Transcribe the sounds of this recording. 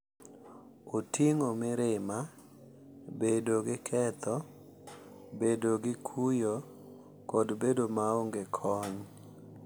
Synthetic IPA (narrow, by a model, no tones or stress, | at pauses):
otiŋomɪɾɪma | bedoɡɪkʰɛt̪ɔ | bedoɡɪkʰujo | kɔdbedomaoŋɡekʰɔɲ